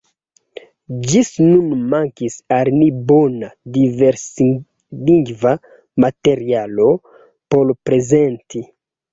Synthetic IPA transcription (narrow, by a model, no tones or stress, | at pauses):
d͡ʒisnunmaŋkisaɾnibo̞nadiveɾs | liŋɡva | mate̞ɾialo̞ | po̞lpɾe̞zenti